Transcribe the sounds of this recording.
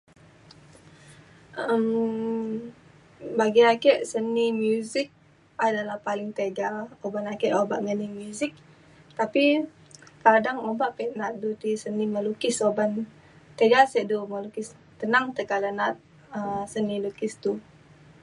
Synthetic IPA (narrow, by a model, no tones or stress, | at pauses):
ʔəm | baɡiakɛʔsənimjuzɪk̚ | adalahpalɪŋt̪eɡaobanakɛʔobaʔŋənimjuzɪk̚ | t̪api | kadaŋobaʔpɛʔnat̪̚dut̪isəniməlukɪsoban | t̪eɡasɛʔduməlukɪs | t̪ənaŋt̪əkalanat̪̚ | əmsənilukɪst̪u